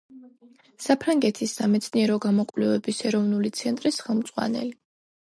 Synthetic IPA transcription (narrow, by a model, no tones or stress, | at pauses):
sapʰɾaŋɡɛt̪ʰisːamɛt̪sʰniɛɾɔɡamɔkʼvlɛvɛbisɛɾɔvnulit̪sʰɛnt̪ʼɾisχɛlˠmd̪zʼʁwa̰nɛ̰li